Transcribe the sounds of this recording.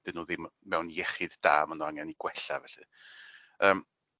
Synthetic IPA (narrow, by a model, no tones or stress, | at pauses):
ðɨnuːðɪmmɛwnjɛχɪdd̥aːmanɔaŋɛniɡ̥wɛɬa̰vɛɬɨ̰ | əːm